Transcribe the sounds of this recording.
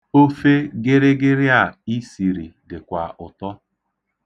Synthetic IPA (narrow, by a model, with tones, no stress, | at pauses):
o˦fe˦ɡɪ˦ɾɪ˦ɡɪ˦ɾɪ˦a˨i˦si˨ɾi˨dɪ˨kʷa˨ʔʊ˨tɔ˦